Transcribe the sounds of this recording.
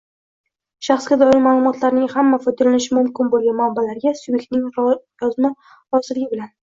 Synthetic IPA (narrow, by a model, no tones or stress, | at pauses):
ʃaχsɡʲad̪ɒɪɾmaːlˠʊmɒt̪ʰlaɾnɪŋhamːafɒd̪alanɪʃɪmʊmkʲɪnbolˠɡʲanmabːalaɾɡʲasubjek̚ʲt̪̚nɪŋjɒzma | ɾɒsɪlɪɡʲɪbɪlan